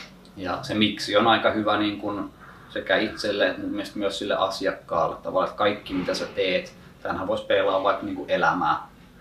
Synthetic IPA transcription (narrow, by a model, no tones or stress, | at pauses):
jɑ̰semiksionɑikɑhyʋæniːŋkun | sekæiit̪selːeumiest̪myøssilːḛʔɑsiɑkːɑ̰ːlːḛt̪t̪ɑ̰ʋɑlːˑet̪kɑikːimit̪æsæt̪eːt̪ | t̪æhnhæʋoˑispeːlɑːʋʋɑikniːŋkuʔelæmæ̰ː